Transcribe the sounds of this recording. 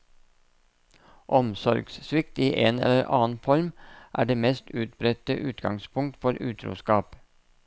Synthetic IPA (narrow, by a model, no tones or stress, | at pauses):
ʔɔmsɔɾɡssʋɪkt̪iːʔeːnɛ̰ləɾʔɑ̰ːn̩fɔɾmʔæ̰ːɖeːmɛst̪ʉːt̪̚bɾɛt̪əʔʉːt̪ɡɑŋspʰʊŋ̚t̪fɔɾʉːt̪ʰɾṵːskɑːp